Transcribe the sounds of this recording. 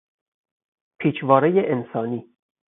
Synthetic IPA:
pʰiːt͡ʃʰvɒːɾejeʔensɒːniː

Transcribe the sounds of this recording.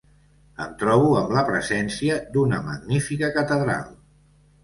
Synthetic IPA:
ə̰nt̪ɾɔβ̞uəmləpɾəzɛnsiəd̪unəməɡnifikəkət̪əðɾa̰lˠ

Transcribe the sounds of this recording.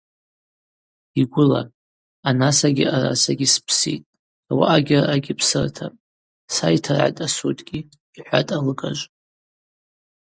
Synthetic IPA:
iɡʷʊla̰ | anasaɡʲiara̰saɡʲispʰsḭtʼ | awa̰ʔaɡʲɪraʔaɡʲipʰsɨrtʰapʼ | sajtʰarʕa̰tʼasutʼɡʲi | iħʷa̰tʼalɨkʼaʒʷʼ

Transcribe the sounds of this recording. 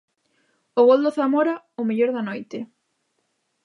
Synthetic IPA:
ʊɣold̪oθamoɾa | ʊmeʎoɾðɐnojt̪ɪ

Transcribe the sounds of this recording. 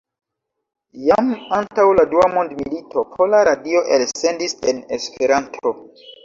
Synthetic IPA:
jamantawladuamondmilitʰo̞pʰo̞laɾadio̞ʔelse̞ndise̞ne̞spʰe̞ɾantʰo̞

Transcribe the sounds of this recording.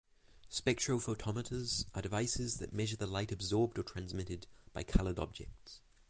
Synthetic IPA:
spɛk̚tɹ̥əʊfoʊtʰɑməɾəzʔədɨvaɪsɪzðɨ̰ʔ̚mɛʒəðəlaɪɾəbzɔːb̚dətʰɹ̥æ̃nzmɪɾɪdb̥aɪkʰʌlˠədɒ̰b̚d͡ʒɛ̰k̚ts

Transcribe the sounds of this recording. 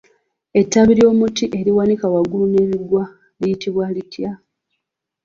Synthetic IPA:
e̞tːaβiɾjo̞ːmutiʔe̞ɾiwanikawaɡulune̞βiɡwa | lijitiβwalitʰja

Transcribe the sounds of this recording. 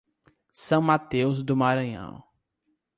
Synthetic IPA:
sɐ̃w̃mat̪ewzd̪ʊmaɾɐ̃ɲɐ̰̃w̃

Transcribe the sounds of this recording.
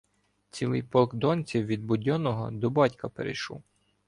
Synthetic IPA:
t͡sʲilˠɪjpɔlˠkd̪ɔnʲt͡sʲiwʋʲid̪̚bʊdʲɔnɔɦɔ̰d̪ɔbɑtʲkɐpeɾḛjʃɔ̰w

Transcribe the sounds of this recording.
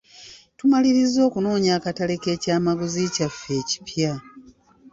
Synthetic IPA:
tumaliɾizːo̞ːkuno̞ːɲaːkatale̞ke̞ːcaːmaɡuzicafːe̞ːci̥pja

